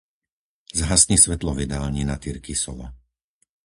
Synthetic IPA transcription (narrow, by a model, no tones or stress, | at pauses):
zɦasɲisʋɛt̪lɔvid̪aːlɲinat̪iɾkisɔ̰ʋa